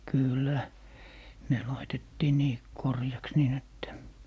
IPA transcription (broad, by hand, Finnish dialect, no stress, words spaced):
kyˑlːæ ne lɑitetːiː niː korjɑks niːn etːæ